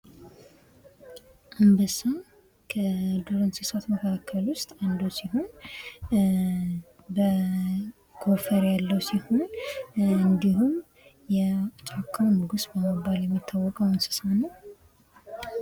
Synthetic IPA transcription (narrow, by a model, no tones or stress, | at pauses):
ʔɨmbɨsa | kʰəd̪uɾənsɨsat̪məkʰaakʰːəlwʊst̪ʼand̪usiɦo̞n | bə | ɡ̥ofəɾjalːəwsiho̞n | ɨnd̪ihum | jɛt͡ʃʼakʰːawmɨɡusbəməbaljɛmːit̪ʰːawːɔkʼəwɨnsɨ̥sanəw